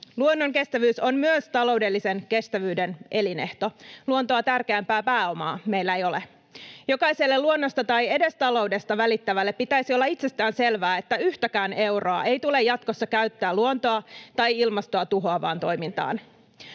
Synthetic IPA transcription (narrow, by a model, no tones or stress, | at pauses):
luonːoŋke̞st̪æʋyːso̞mmyøst̪ɑlo̞wde̞lːisenke̞st̪æʋyːdenʔe̞line̞ht̪o̞luont̪oɑt̪ærkeæmpæːpæːo̞mɑ̰ːme̞ilːæeijo̞le | jo̞kɑjselːeluonːo̞st̪ɑt̪ɑje̞de̞st̪ɑlo̞wde̞st̪ɑʋælit̪ːæʋælːe̞pːit̪æisiolːɑit̪se̞st̪æːnse̞lʋæːet̪ːæyht̪ækæːnʔe̞wroɑ̰ʔe̞jt̪ule̞jɑt̪̚kosːɑkæyt̪ːæːluont̪o̞ɑt̪ɑjilmɑst̪oɑt̪uɦo̞ɑʋɑ̰ːnt̪o̞jmint̪ɑ̰ːn